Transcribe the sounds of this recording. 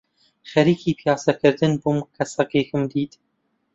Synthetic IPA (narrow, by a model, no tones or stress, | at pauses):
xɛɾiːkʰiːpʰjɑːsɛkʰɨɾd̪ɨnbumkʰɛsɐkeːkɨmd̪iːt̪